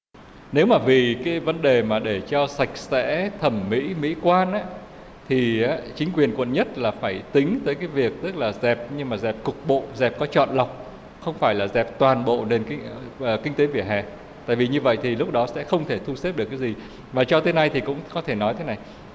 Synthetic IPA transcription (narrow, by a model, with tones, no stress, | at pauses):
ne˨˦wmaː˨˩vi˨˩kaː˨˦jvə˨˦nɗe˨˩maː˨˩ɗe˧˩t͡ɕɔ˧sa˨˩jk̟̚sɛ̰˧˥t̪ʰə˧˩mːḭ˧˥mḭ˧˥kwaː˧nʔaː˨˧˥ | t̪ʰi˨˩aː˨˦t͡ɕi˨˦ŋ̟kwi˨˩ənkwə̰˧˨nɲə˦˥t̚laː˨˩faː˧˩jt̪ï˨˦ŋ̟t̪əː˨˦jkaː˨˦jvi˨˩ək̚t̪ɨ˦˥k̚laː˨˩zɛ˨˩p̚ɲɨ˧ŋmaː˨˩zɛ˨˩p̚kʊ˨˩k̚ɓo̰˧˨zɛ˨˩p̚kɔ˨˦t͡ɕɔ̰˧˨nla˨˩wk͡p̚ | xə˧wŋ͡mfaː˧˩jlaː˨˩zɛ˨˩p̚t̪waː˨˩nɓo̰˧˨ne˧nː˧˨˩kï˧ŋ̟t̪e˨˦vi˧˩əɦɛ̰˨ | t̪a̰ː˧˨jvi˨˩ɲɨ˧və̰˧˨jt̪ʰi˨˩lʊ˦˥k͡p̚ɗɔ˨˦sɛ̰˧˥xə˧wŋ͡mt̪ʰe˧˩t̪ʰu˧se˦˥p̚ɗɨ˨˩əkːaː˨˦jzi˨˩ | vaː˨˩t͡ɕɔ˧t̪ʰe˨˦na˧jt̪ʰi˨˩kʊ̰˧˥ŋ͡mkɔ˨˦t̪ʰe˧˩nɔ˨˦jt̪ʰe˨˦na˨˩j